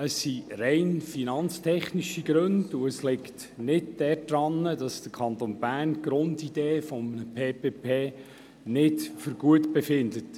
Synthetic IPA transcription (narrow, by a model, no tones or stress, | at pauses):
əsːirɛɪnfinɑnt͡stʰɛχniʃiɡ̥ɾɵndʊəslɪkt | nɪd̚d̥ɛɾd̥ɾɑnːədɑsd̥əkʰɑnt̪oːnb̥æːrnɡ̥ɾʊndid̥eːfɔməpʰeːpeːpʰeː | nɪtfʏɾɡ̥uətbɛfɪndət